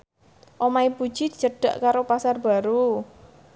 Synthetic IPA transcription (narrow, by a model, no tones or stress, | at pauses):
ʔomaipu̥ʒ̥id̪̥i̤̥t͡ʃəɖ̥a̤ʔkaɾopasarb̥a̤ɾu